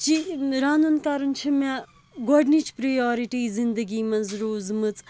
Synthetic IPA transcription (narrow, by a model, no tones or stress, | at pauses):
t͡ʃiɾaːnunkɐɾɐnt͡ʃʰime | ɡɔɖnit͡ʃʰpɾɐjɔːɾiʈiːzind̪ɐɡiːmɐnzɾoːzmɨt͡s